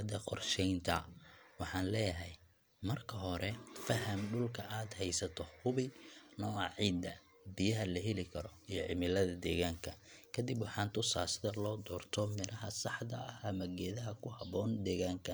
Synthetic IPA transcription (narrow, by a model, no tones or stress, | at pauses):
ɐd̪ɐqɔrʃɛjnt̪ʰɐ̰wɑħɑːnlɛːjɐɦɛj | mɐrkʰɐɦɔɾʔɛfɐɦɐmɖʊlkʰɐʔaːd̪hɛjsɐt̪ʰɔhʊβɪnɔːɑʕiːd̪ɐ | bɪjɐɦɐlɐɦɛlɪkʰɐɾɔijɞʕɪmɪlɐðɐd̪ɛːɣaːŋkʰɐkʰɐd̪ɪbwɑħɑːnt̪ʰʊsaːsɪðɐlɔːd̪ɔːrt̪ʰɔmɪɾʔɐɦɐsɑħd̪ɐɐhɐmɐɡɛːðɐɦɐkʰʊhɑβɔːnd̪ɛːɣaːŋkʰɐ